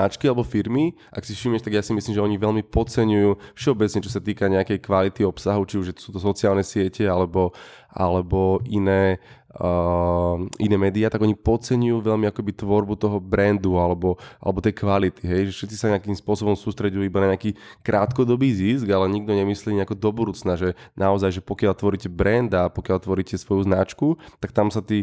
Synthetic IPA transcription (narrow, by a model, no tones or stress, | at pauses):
at͡ʃkialɛbɔfiɾmi | ʔa̰ksifʃimjɛʃt̪aɡjaːsimisliːmʒɛɔɲiʋɛʎmipɔt͡sɛɲujuːfʃɛɔbɛt͡sɲɛt͡ʃɔsat̪iːkaɲɛakɛjkʋalit̪iɔpsaɦut͡ʃiuʒʒɛt̪ɔ̥suːt̪ɔs̬ɔt͡siaːlnɛsɪɛcɛalɛbɔ | ʔa̰lɛbɔʔinɛː | inɛːmɛːd̪iaːt̪aɡɔɲipɔt͡sɛɲujuːʋɛʎmiakɛbit̪ʋɔɾbut̪ɔɦɔbɾɛnd̪ualɛbɔa̰lɛbɔt̪ɛjkʋalit̪iɦɛjʒɛfʃɛt̪t͡si̥saɲɛakimspʊɔsɔbɔmsuːst̪ɾɛɟujuibanaɲɛakiːkɾʔaːt̪kɔd̪ɔbiːzisɡalɛɲiɡ̚d̪ɔɲɛmisliːɲɛakɔd̪ɔbɔd̪uːt͡snaʒɛnʔaɔzajʒɛpɔkjaʎt̪ʋɔɾiːcɛbɾɛnd̪apɔkjalt̪ʋɔɾicɛsʋɔjuznat͡ʃkut̪ak̚t̪amsat̪iː